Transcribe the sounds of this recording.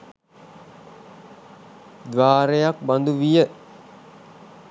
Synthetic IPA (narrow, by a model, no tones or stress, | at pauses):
d̪ʋaːɾejak̚band̪uʋijə